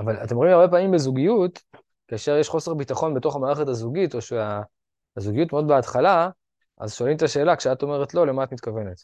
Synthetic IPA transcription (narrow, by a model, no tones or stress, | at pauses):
avalatemʁ̞imaʁbe̞paːmimbezuɡijut | kaːʃeʁjeʃχo̞seʁbitaχo̞nbeto̞χamaːʁeχetazuɡito̞ʃea | zuɡijutmod̪beatχala | ʔa̰zʃo̞alimt̪aʃe̞ːlakʃeato̞me̞ʁet̪lo̞le̞maatmit̪kave̞ne̞t̪